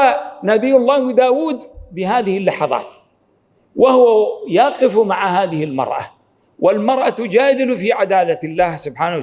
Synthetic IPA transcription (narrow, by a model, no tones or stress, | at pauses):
anabɪjːʊlˤːɑːhwɪd̪aːwuːd̪bɪɦaːðɪhɪlːɑħɑðˤɑ̰ːt̪ | wʔahʊwajɑːqɪfmaʕahaːðɪhɪlmɑ̰ɾˤʔa̰ | wʔɪlmɑɾˤʔat̪ʊd͡ʒaːd̪ɪlʊfiʕad̪aːlalːaːhsʊbħaːna